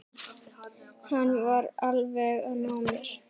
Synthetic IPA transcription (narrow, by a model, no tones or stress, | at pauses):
hanːvaɾalvɛɣanɔːmɪɾ̥